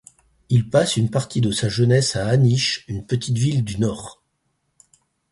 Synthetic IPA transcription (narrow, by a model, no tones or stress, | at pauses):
ilpasynpaʁt̪ʰid̪əsaʒənɛsaːniʃynpət̪it̪vild̪ynɔːʁ